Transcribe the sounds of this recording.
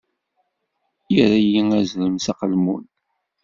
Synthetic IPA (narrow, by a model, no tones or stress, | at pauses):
jiɾæjiŋæzɾəmsɑqəlmṵn